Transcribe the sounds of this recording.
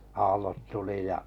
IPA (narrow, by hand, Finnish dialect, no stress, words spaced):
ɑːlːot tuli jɑ